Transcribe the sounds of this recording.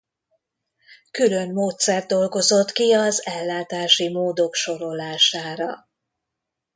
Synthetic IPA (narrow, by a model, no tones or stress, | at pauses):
kylø̞nmoːt̪sɛrd̪̚d̪o̞lɡo̞zo̞t̪kiɒzɛlːaːt̪aːʃimoːd̪o̞kʃo̞ɾo̞laːʃaːɾɒ̰